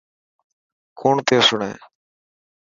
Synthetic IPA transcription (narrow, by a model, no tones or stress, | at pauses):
kʰoːɳt̪eːsʊɳḛ̃ː